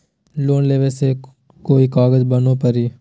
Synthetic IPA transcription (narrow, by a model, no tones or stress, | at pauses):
loːnleːʋese | koːikaːɡəd͡ʒbənõːpəɾiː